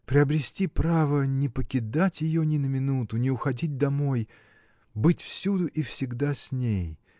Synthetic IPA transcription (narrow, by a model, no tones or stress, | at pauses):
pɾʲɪɐbɾʲɪsʲtʲipɾavənʲɪpəkʲɪd̪atʲjɪjonʲɪnəmʲɪnut̪ʊnʲɪʊxɐdʲit̚ʲd̪ɐmo̞j | bɨtʲfsʲud̪ʊʔifsʲɪɡd̪asʲnʲej